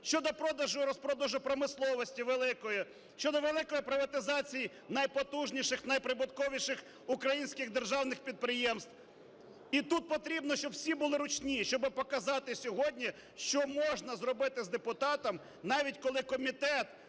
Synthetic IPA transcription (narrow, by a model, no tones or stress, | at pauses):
ʃt͡ʃɔd̪ɔpɾɔd̪ɐʒʊɾɔspɾɔd̪ɐʒʊpɾɔmɪslˠɔʋɔsʲtʲiʋelˠɪkɔji | ʃʲt͡ʃɔd̪ɔʋelˠɪkɔjipɾɪʋɐt̪ɪzɑt͡sʲiji | nɐjpɔt̪uʒnʲiʃɪxnɐjpɾɪbʊt̪kɔʋʲiʃɪx | ʊkɾɐjinʲsʲkɪɣd̪erʒɑwnɪxpʲid̪̚pɾɪjɛmst̪w | it̪ut̪̚pɔt̪ɾʲibnɔʃt͡ʃɔbwsʲibʊlˠɪɾʊt͡ʃnʲiʃt͡ʃɔbɪpɔkɐzɑt̪ɪsʲɔɦɔdʲnʲi | ʃt͡ʃɔmɔʒnɐzrɔbɪt̪ɪzd̪epʊt̪ɑt̪ɔm | nɑʋʲitʲkɔlˠɪkɔmʲit̪ɛt̪